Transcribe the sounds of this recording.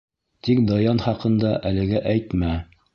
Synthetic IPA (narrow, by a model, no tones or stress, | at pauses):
t̪ik̚d̪ɑjɑnχɑqɤ̆nd̪ɑʔælɘ̆ɡæʔæjt̪mæ